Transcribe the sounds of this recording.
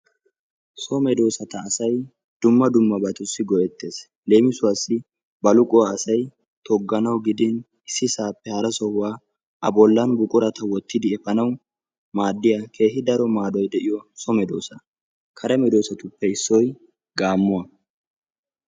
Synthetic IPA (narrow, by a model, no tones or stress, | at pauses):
sɔmɛd̪o̞ːsɐt̪ɐːsɐj | d̪̥ʊmːɐd̪ʊmːɐbɐt̪ʊsːɪɡɔjɛt̪ːe̞ːs | le̞ːmɪsʊwɐsːɪ | bɐlʊkʼʊwaːsɐj | t̪ʰɔɡːɐnɐwɡɪd̪ɪn | ɪsːɪsaːpːɛhɐɾɐsɔhʊwaː | ʔɐ̰bɔlːɐnbʊkʼʊɾɐt̪ʰɐwɔt̪ːɪd̪ɪɛfɐnɐw | maːd̪ːɪjakʰe̞ːɦɪd̪ɐɾɔmaːd̪ɔjd̪ɛʔɪjɔsɔmɛd̪o̞̰ːsɐ | kʰɐɾɐmɛd̪o̞ːsɐt̪ʊpːɛɪsːɔj | ɡaːmːʊwɐ